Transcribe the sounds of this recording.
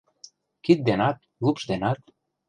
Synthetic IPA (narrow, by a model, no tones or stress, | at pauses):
kit̪̚d̪enɑt̪̚ | lupʃd̪enɑt̪̚